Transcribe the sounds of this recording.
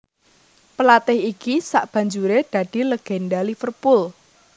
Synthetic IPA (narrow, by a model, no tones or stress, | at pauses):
pəlat̪ɪhikisa̰ʔb̥ä̤ɲd͡ʒuɾed̪̥ä̤d̥i̤ləɡ̥endalifərpʊl